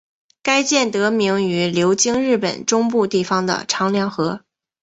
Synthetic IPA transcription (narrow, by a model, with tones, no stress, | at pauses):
ka˥ɪt͡ɕjɛ˥˩nt̪ɤ˧˥mi˧˥ŋy˧˥ljo˧˥ʊt͡ɕi˥ŋɻɻ̩˥˩pə̰˨˩nʈ͡ʂʊ˥ŋpu˥˧t̪i˥˩fɑ˥˩ŋd̪ə̰˨ʈ͡ʂʰɑ˧˥ŋljɑ˧˥ŋxɤ˧˥